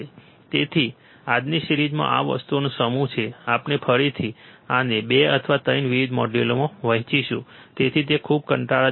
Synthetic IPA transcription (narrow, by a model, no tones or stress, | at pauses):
e | t̪et̪ʰi | ad̪niʃɾid͡ʒmã̰ʔa̰ʋə̰st̪uonũsəmũt͡ʃʰeapnepʰəɭit̪ʰianebeə̰t̪ʰəʋat̪əjnʋiʋid̪mɔɖelomãʋəɦit͡ʃiʃṵ̃t̪et̪ʰit̪̬ekʰub̚kəɳʈaa